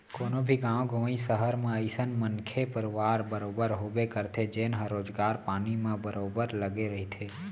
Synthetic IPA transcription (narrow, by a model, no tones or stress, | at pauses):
koːnobʱiɡãːʋ̃ɡʱõːĩsəɦəɾmãəɪsənmənkʰepəɾʋaːɾbəɾoːbəɾɦoːbekəɾt̪ʰed͡ʒeːnɦəɾoːd͡ʒɡaːɾpaːnimãbəɾoːbəɾləɡeɾəɦit̪ʰeː